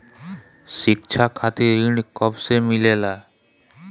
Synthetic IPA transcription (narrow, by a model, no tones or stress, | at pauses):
ʃik̚t͡ɕʰakʰat̪iɾiɳkɔbsemilela